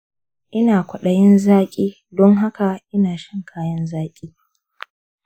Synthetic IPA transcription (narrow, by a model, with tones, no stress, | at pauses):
ʔɪ˦naː˨kʷɐ˨ɗɐ˨jɪ˦nzaː˦kʲʼiː˦ | dɔ˦ŋɦa˦ka˨ʔɪ˦naː˨ʃɐ˦ŋkʰaː˦jɐ˦nzaː˦kʲʼiː˦